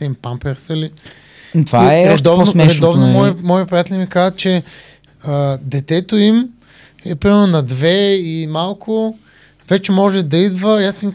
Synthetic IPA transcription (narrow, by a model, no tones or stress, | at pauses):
ɛimpampɛɾsəli | t̪vaɛɾɛd̪ɔvonɛɾɛd̪ɔvnomɔjimɔjəpɾijat̪ɛlʲimikazət̪̚t͡ʃɛ | əd̪ɛt̪ɛt̪oim | ɛpɾimɛɾnʊnɐd̪vɛimalˠkʰʊ | vɛt͡ʃɛmɔʒɛd̪ɐid̪vəasim